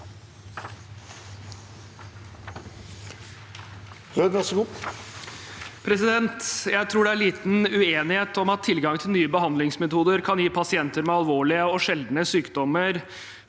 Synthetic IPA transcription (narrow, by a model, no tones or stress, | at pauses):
hød̪nɑsɡu | pʰɾɛsɪd̪ɛnt̪jæɪt̪ʰɾuːɖɛæɾɭiːt̪n̩ʉeːnɪheːt̪ɔmɑt̪ʰːɪlɡɑŋt̪ʰɪlnyːəbəhɑnd̪lɪŋsmɛt̪ʰuːd̪əɾkʰɑnjiːpʰɑsɪɛnt̪əɾmɛɑlʋoːɭɪəɔʂɛld̪nəsyːkd̪ɔməɾ